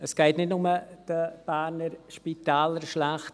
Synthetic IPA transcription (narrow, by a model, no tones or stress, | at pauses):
əsɡ̥ɛɪtnɪtnʊməd̥əb̥æːɾnəɾʃpitaːləɾʃlæχt